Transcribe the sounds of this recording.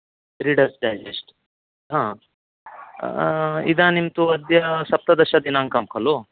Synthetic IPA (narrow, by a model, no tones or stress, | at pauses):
tɾiɽəɾsɖajd͡ʒesʈ | ɦã | ḭd̪ãnimt̪uɐd̪jɐsɐp̚t̪ɐd̪ɐɕad̪inãŋkamkʰɐlo